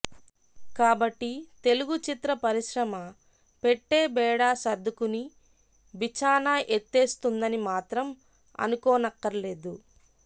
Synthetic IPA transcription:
kaːbɐʈːit̪e̞luɡut͡ʃit̪ɾɐpɐɾiʃɾɐmɐ | pe̞ʈːeːbɛːɽaːsɐd̪ʱːukuni | ʋit͡ʃaːnaːʔet̪ːe̞ːst̪und̪ɐnimaːt̪ɾɐm | ɐ̰nukoːnɐkːɐɾɐle̞ːd̪u

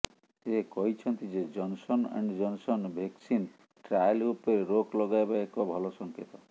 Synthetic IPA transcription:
sekɔɦit͡ʃʰɔnt̪id͡ʒed͡ʒɔnsɔna̰ɳɖd͡ʒɔnsɔnbʱeksin | ʈɾajlupeɾeɾoklɔɡajbaekɔbʱɔlɔsɔŋket̪ɔ

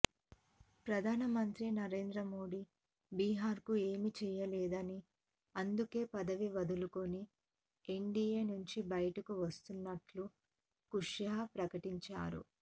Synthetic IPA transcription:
pɾɐd̪ʱaːnɐmɐnt̪ɾinɐɾe̞ːnd̪ɾɐmo̞ːɖi | biːɦaːɾkue̞ːmit͡ʃɛːjɐlɛːd̪ɐni | ɐnd̪uke̞ːpɐd̪ɐʋiʋɐd̪ulukoni | eɳɖijeːnuɲt͡ʃibɐjɐʈɐkuʋɐst̪unːɐʈlu | kuʂjapɾɐkɐʈiɲt͡ʃa̰ːɾṵ

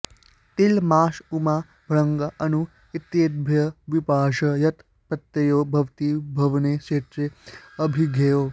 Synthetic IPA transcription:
t̪ilmaːʃumaː | bʱɭɐŋɡɐʔɐnu | it̪jeːd̪̚bʱjɐʋipaːʃɐjɐt̪ | pɐt̪jɐjoːbʱɐʋt̪iːbʱɐʋneːʃeːt̪ɾeɐbʱiɡʱejoː

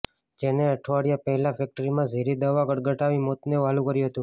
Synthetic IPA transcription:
d͡ʒeneəʈʰʋaɽijapəɦɛlafɛk̚ʈəɾimãzʱeɾid̪əʋaɡəɽɡəʈaʋimot̪neʋalũkəɾjuɦət̪ũ

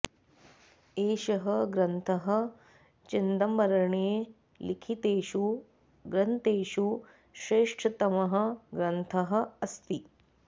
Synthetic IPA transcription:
eːʃɐɦɐɡɾɐnt̪ʰɐɦɐ̆ | t͡ʃind̪ɐmʋɐɾɐɳeː | likʰit̪eːʃu | ɡɾɐnt̪eːʃu | ʃɾeːʂʈʰɐt̪ɐmɐɦɐ̆ɡɾɐnt̪ʰɐɦɐ̆ɐst̪i

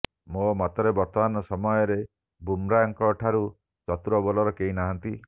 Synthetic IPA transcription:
momat̪ɔɾebɔɾt̪ɔmanɔsɔmɔjɔɾe | bumɾaɔŋkɔːʈʰaɾu | t͡ʃɔt̪uɾɔbɔlɔɾɔkeɦinaɦɔnt̪i

